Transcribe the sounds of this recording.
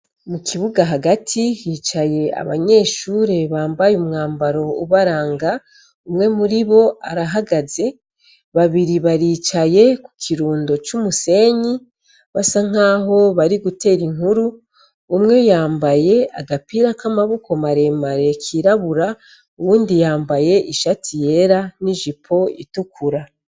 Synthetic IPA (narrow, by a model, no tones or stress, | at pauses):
mukʰiβuɡaɦaɡatʰihit͡ʃaje̞a̰βa̰ɲe̞ːʃuːɾe̞βaːmbajumŋaːmbaɾo̞uβaɾaːŋɡa | umŋe̞muɾiβo̞aɾaɦaɡaze̞ | βaβiɾiβaɾiːt͡ʃaje̞ku̥kʰiɾuːndo̞t͡ʃumuse̞ːɲi | βasaŋ̥aːɦo̞βaɾiɡute̞ːɾiŋ̥huɾuː | mŋe̞jaːmbaje̞aɡapiɾakamaβuko̞maɾe̞maɾe̞kʰiɾaβuɾa | uβuːndijaːmbaje̞ʔiʃatʰije̞ɾaniʒipʰo̞itukʰuɾa